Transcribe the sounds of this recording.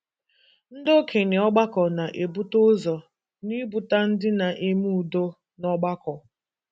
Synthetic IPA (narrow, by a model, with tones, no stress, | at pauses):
n̩˦do˦kʰe˨nɪ˨ɔ˦ɡ͡ba˦kɔ˨na˨ʔe˨bu˦to˦zɔ˨ | ni˦bu˨ta˦n̩˦dɪ˦na˨ʔe˦mu˦u˨do˦ | nɔ˦ɡ͡ba˦kɔ˨